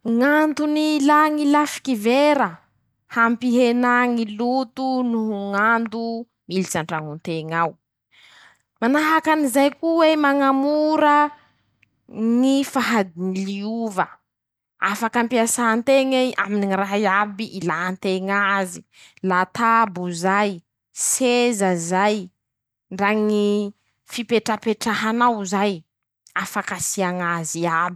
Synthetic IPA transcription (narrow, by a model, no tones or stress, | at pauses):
ŋand̪unilaŋilafi̥kiveɾə | hampiɦenaŋilut̪unuɦuŋand̪u | milit͡saɳɖ͡ʐaŋunt̪eŋaw | manaɦakanizajkuwemaŋamuɾə | nifaɦad̪iniliuvə | afakampiasant̪eŋeʔa̰miniiraɦiabiʔilant̪eŋazi̥ | lat̪abuzaj | sezəzaj | ɳɖ͡ʐaŋi | fipeʈ͡ʂapeʈ͡ʂaɦanawzaj | afakasiaŋaziabi